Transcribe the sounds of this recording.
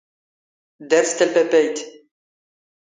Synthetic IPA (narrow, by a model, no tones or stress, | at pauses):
d̪ɛɾst̪ɛlpɛpɛjt̪